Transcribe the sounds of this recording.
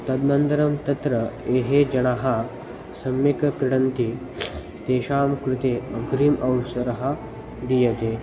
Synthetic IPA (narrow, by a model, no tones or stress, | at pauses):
t̪ɐd̪nɐnd̪ɐɾɐmt̪ɐt̪ɾɐeːɦed͡ʒɐɽ̃aɦa | sɐmjikɐkɾɪɽɐnt̪i | t̪eːʃaːmkɾut̪eɐɡɾimʔɐwsɐɾɐɦa | d̪ijet̪e